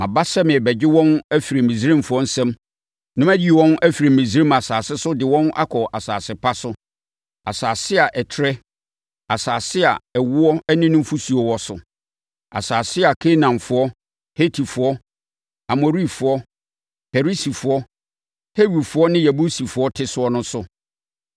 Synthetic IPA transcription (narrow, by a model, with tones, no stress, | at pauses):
mã˨ba˦sɛ˦mɪ̃˨ɛ˨bɛ˨d͡ʑɪ˦wɔ̃˦næ˦fi˨ɾi˨mĩ˨zi˦ɾɪ̃˦m˨fʊ˨˦ɔ˦n̩˦sɛ̃˦m | nʊ̃˦mæ˦di˦˨wɔ̃˦næ˦fi˨ɾi˨mĩ˨zi˨˦ɾĩ˦ma˨saː˨sɪ˦sʊ˦dɪ˨wɔ̃˦na̰˦kʰɔ˨ʔa˨saː˨sɪ˨pʰa˦sʊ˦ | a˨saː˨sɪ˦a˨ʔɛ˨tʰɾɛ˦ | a˨saː˨sɪ˦a̰˨ɛ˨wʊ˦ɔ˦ɛ˦nɪ̃˦nʊ̃˦m˦fu˦su˨ɔ˨wɔ˦sʊ˨ | a̰˨saː˨sɪ˦a˨kʰe˦nã˨nfʊ˨ɔ˦ | he˦tʰi˨fʊ˨ɔ˦ | a˨mo˨ɾi˦fʊ˨ɔ˦ | pʰɛ˨ɾi˦si˨fʊ˨ɔ˦ | he˦wi˨fʊ˨˦ɔ˦nɪ̃˦jæ˨bu˦si˨fʊ˨˦ɔ˦tʰɪ˦sʊ˦ɔ˦nʊ̃˦sʊ˦